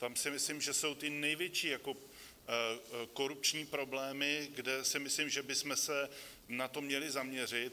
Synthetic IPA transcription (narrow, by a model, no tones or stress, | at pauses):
t̪amsɪmɪslɪmʒɛso̞wt̪ɪnɛjvjɛt͡ʃiːjako̞ | ko̞ɾup̚t͡ʃɲiːpɾo̞blɛːmɪɡdɛsɪmɪslɪmʒɛbɪsmɛsɛ | nat̪o̞mɲɛlɪzamɲɛr̝ɪt̪̚